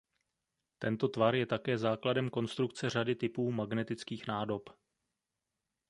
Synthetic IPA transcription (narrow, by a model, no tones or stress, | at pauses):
t̪ɛnt̪o̞t̪vaɾjɛt̪akɛːzaːkladɛmko̞nst̪ɾukt͡sɛr̝adɪt̪ɪpuːmaɡnɛt̪ɪt͡skiːxnaːdo̞p